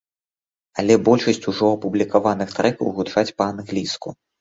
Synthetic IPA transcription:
alʲɛbɔlʲʂɐsʲt͡sʲuʐɔɐpublʲikavanɨxt̪ɾɛkɐwɣut͡ʂat͡sʲpɐanɣlʲisku

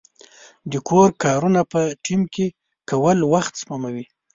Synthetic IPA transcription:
d̪əkʰoɾkɑɾunapəʈimke | kawəlwaxt̪smamawi

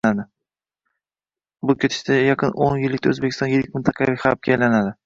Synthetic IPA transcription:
ad̪ɪ | bʊkʲʰet̪ʰɪ̥ʃt̪ajɑqʰɨnonjɪlːɪk̚ʲt̪aɵ̰zbekʲʰɪst̪ɒnjelɪkʲmɪnt̪ʰɑqʰɑvijχɑɾp̚kʲaːjlanad̪ɪ

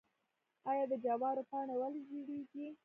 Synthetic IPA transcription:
ɑjɑd̪əd͡ʒawɑɾopɑɳawəld͡ʒuɽeɡi

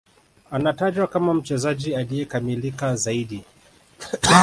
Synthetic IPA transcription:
anataʄwakamam̩t͡ʃɛzaʄialijɛkamilikazaiɗi

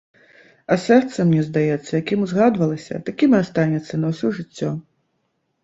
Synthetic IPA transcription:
ɐsɛrt̪sɐmnʲɛzd̪ajɛt̪sːɐjakʲimuzɣad̪vɐlˠɐsʲɐ̰t̪akʲimast̪anʲɛt̪sːɐnɐwsʲɔʐɨt͡sʲːɔ

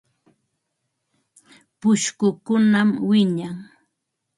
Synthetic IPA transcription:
pʊʃkʊkʊnamwɪɲaŋ

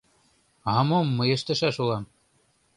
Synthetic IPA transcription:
ɦɑmomːɤ̆jɤ̆ʃt̪æ̆ʃæʃulˠɑm

